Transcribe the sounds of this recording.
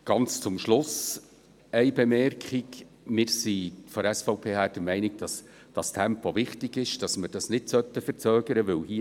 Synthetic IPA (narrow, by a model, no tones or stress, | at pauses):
ɡ̥ɑnt͡st͡sʊmʃlʊs | ɛɪbemɛrkχik | mɪːɾsifɔɛsfɑʊpʰeːhæːɾd̥əɾmɛɪnɪɡ̚d̥ɑs | d̥ɑstʰæmpovɪχtɪɡ̥ɪʃd̥ɑsməɾd̥ɑsnɪdsœt̪ːəfəɾt͡søːɡəɾəʋɵwhiː